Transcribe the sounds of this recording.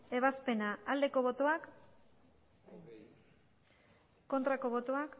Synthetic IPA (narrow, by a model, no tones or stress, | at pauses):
e̞β̞aspe̞naːld̪e̞ko̞βo̞t̪o̞ak | kːo̞nt̪ɾako̞βo̞t̪oak